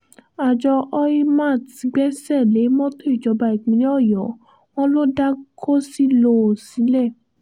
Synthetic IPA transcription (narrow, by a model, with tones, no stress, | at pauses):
a˨d͡ʒɔ˧ʔɔ˦i˦mã˦˨ti˨˦ɡ͡bɛ˦sɛ˦˨le˨˦mɔ̃˦to˦i˦˨d͡ʒɔ˨˧˦ba˧i˨ɡ͡bĩ˨˦n˦ɔ˦˨jɔ˨˦ | w̃ɔ̃˦lo˦da˦ko˦si˦lo˦˨sĩ˨˦lɛ˦˨